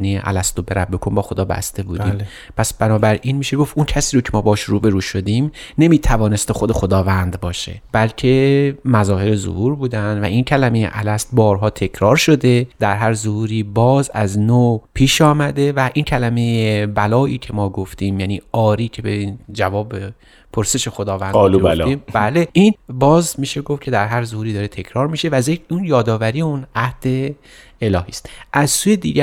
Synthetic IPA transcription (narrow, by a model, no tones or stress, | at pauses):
nejḛʔæ̰læst̪obe̞ɾæbːekʰombɒːxo̞d̪ɒːbæ̰st̪e̞buːd̪iːm | pʰæsb̥ænɒːbæɾʔiːnmiːʃe̞ɡo̞funcʰæsiːɾocʰe̞mɒːbɒːʃɾuːbe̞ɾuːʃo̞d̪imne̞miːt̪ʰævɒːne̞st̪exod̪e̞xod̪ɒːvænd̪bɒːʃe̞̰b̥ælcʲʰe̞mæzɒːhe̞ɾezo̰huːɾbuːd̪ænd̪væʔiːncʰælæmejḛʔælæst̪̚bɒːɾɦɒːt̪ʰe̞cʰɾɒːɾʃo̞d̪e̞d̪̥æɾɦæɾzohuːɾiːbɒːzæznoːpʰiːʃɒːmæd̪e̞væʔiːncʰælæme̞jebælɒːʔiːcʰe̞mɒːɡo̞ft̪iːmjæːniːɒːɾiːcʰe̞beind͡ʒævɒːbe | pʰo̞ɾse̞ʃe̞xo̞d̪ɒːvændlliːmbæːle̞ʔiːnbɒːzmiːʃe̞ɡofcʰe̞d̪æɾɦæɾzohuːɾiːd̪ɒːɾet̪ʰe̞kʰɾɒːɾmiːʃe̞væzeunjɒːd̪ɒːvæɾiːjeunæhd̪̥e̞ | elɒːhiːst̪ʔæzsuːjed̪iːɟæ